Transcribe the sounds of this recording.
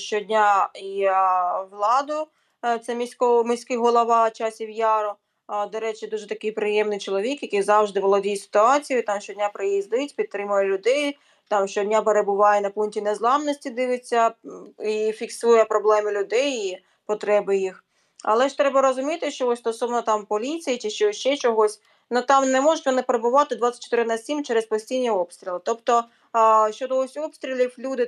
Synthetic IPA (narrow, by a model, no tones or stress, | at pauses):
ʃt͡ʃɔdʲnʲai | ʋlˠɑd̪ʊ | t̪sɛmʲisʲkɔmɪsʲkɪɦɔlˠɔʋɑt͡ʃɑsʲiwjɑɾɔ | d̪ɔɾɛt͡ʃɪd̪uʒɛt̪ɐkɪjpɾɪjɛmnɪjt͡ʃɔlˠɔʋʲikjɐkɪjzɑwʒd̪ɪʋɔlˠɔdʲijsɪ̥t̪ʊɑt͡sʲijʊt̪ɑmʃt͡ʃɔdʲnʲapɾɪjizd̪ɪtʲpʲid̪̚t̪ɾɪmʊjɛlʲʊd̪ɛj | t̪ɑmʃt͡ʃɔdʲnʲapeɾebʊʋɑjɛnɐpunʲtʲinɛzlˠɑmnɔsʲtʲid̪ɪʋɪt͡sʲːɐifʲiksujɛpɾɔblˠɛmɪlʲʊd̪ɛji | pɔt̪ɾɛbɪjix | ɐ̰lˠɛʃt̪ɾɛbɐɾɔzʊmʲit̪ɪʃt͡ʃɔɔsʲst̪ɔsɔʋnɔt̪ɑmpɔlʲit͡sʲijit͡ʃɪʃt͡ʃɛʃt͡ʃɛt͡ʃɔɦɔsʲ | nut̪ɑmnɛmɔʒʊtʲʋɔnɪpeɾebʊʋɑt̪ɪd̪ʋɑt͡sʲːɐ̥t͡ʃːɔ̥t̪ɪɾɪnɐsʲimt͡ʃɛɾespɔsʲtʲijnʲːiɔpst̪ɾʲilˠɪt̪ɔpt̪ɔ | ʃt͡ʃɔd̪ɔɔsʲɔpst̪ɾʲilʲiwlʲud̪ɪ